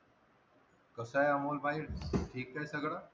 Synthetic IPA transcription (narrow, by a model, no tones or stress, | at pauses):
kəsajəmolbaiɽʈʰiːk̚t̪ajsəɡɽa